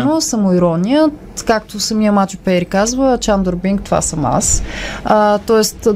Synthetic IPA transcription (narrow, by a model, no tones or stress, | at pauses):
nosəmoiɾɔnʲijət̪kak̚t̪osɐmijəmat͡ʃupɛɾʲikazvət͡ʃand̪oɾbiŋkt̪ova̰sɐma̰sət̪ɔɛst̪